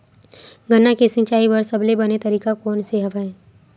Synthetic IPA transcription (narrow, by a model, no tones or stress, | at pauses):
ɡʱənːakesɪ̃ŋt͡ʃaːiʋɐɾsɐblebɐnet̪ɐɾiːkakɔːnseɦəʋaɦɛ̃ː